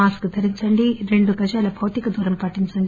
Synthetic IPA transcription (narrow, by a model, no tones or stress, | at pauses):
aːskut̪ʰɐɾiɲt͡ʃɐɳɖiɾe̞ɳɖuɡɐd͡ʒaːlɐbʱɐwt̪ikɐd̪uːɾɐmpɐʈːiɲt͡ʃɐɳɖi